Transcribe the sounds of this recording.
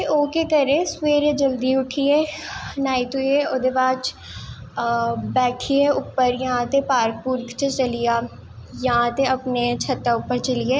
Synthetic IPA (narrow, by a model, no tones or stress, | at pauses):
eʔoːkekɐɾẽːsweːɾed͡ʒəld̪iʊʈʰiɛːnaːit̪ueoːd̪ebaːt͡ʃ | bɛːʈʰiɛʊpːəɾjɐɦãt̪epaːɾkpuɾkt͡ʃet͡ʃɐlijaː | jɐɦãt̪eɐpnet͡ʃʰɐt̪ːaʊpːəɾt͡ʃəlieː